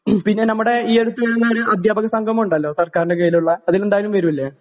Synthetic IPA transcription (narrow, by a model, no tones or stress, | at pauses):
pinːe̞nɐmːuɽe̞iːeɽut̪ːuʋeːɾenːaːɾɨɐd̪ʱjaːbɐɣɐsɐŋɡʱɐmuɳɖɐlːo̞ːsɐrkaːɾɐɳɖekɐjiluɭːɐːðilend̪aːjlumʋɐɾumilːe